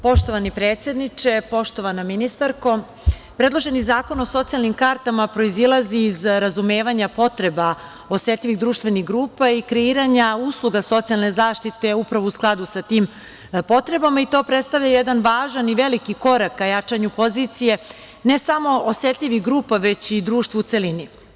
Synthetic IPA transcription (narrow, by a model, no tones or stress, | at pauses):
po̞ʃt̪o̞ʋanipɾeːt̪sʲje̞d̪nit͡ʃe̞po̞ʃt̪o̞ʋanaminist̪aɾko̞ | pɾe̞d̪lˠo̞ʒe̞nizaːko̞no̞so̞t̪sialnimkaɾt̪amapɾo̞izilˠaziːzɾazume̞ːʋaɲapo̞t̪ɾe̞ba | o̞se̞t̪lʲʎʲiʋiɣd̪ɾuːʃt̪ʋe̞niɣɡɾuːpaikɾeiːɾaɲauːslˠuɡaso̞t̪sialˠne̞zaːʃt̪it̪e̞upɾaʋousklˠad̪usat̪iːm | po̞t̪ɾe̞bamait̪o̞ːpɾet̪st̪aʋvʎajed̪anʋaːʒaniʋe̞likiko̞ɾakːajat͡ʂaɲupo̞ziːt̪sije̞ | ne̞samo̞oseːt̪ʎʲiʋiɣɡɾuːpaʋe̞t͡ɕid̪ɾuːʃt̪vuut̪se̞lini